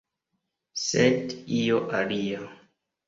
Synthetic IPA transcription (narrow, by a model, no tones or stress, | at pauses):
sedioʔalia